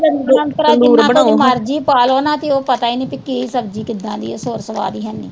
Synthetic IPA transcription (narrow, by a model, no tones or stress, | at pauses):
ənːklə̃nkəɾaːɪːɾaemaːɾd͡ʒiːpaːloːnãːt̪eːoːpət̪aːiːnẽːpɪkːeiːsəb̚d͡ʒiːkɪd̪ãːd̪ḭːɛːsoːɾsəʋa̰ːd̪iːɦənːḭː